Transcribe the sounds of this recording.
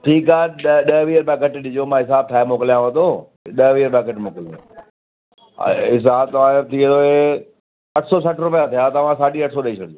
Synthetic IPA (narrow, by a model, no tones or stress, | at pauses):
ʈʰiːkaːɗɗɐɦʋiːəɾbɛːkɐʈɗɪd͡ʑomãːɦɪsaːb̚t̪ʰaːɪmoːkɪlijãʋət̪oː | ɗɐɦʋiːəɾbaːkəʈmoːkɪlõ̰ | ɦɪs̬aːbt̪ɐʋ̤ãt̪ʰiə̃d̪oɦe | ɐʈʰsɔsɐʈɾʊpijãt̪ʰijaːt̪ɐʋ̤ãsaːɖiɐʈʰsɔːɗɐit͡ʃʰəɽo